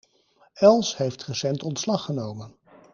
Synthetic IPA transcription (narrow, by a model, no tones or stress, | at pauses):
ɛlˠsɦejftrəsɛntɔntslɑχənowmən